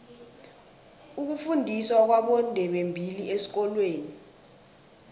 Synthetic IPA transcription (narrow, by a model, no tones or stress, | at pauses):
uk̬ufundʱiswak̬waɓɔndʱɛɓembʱiliesi̥k̬ɔlweːni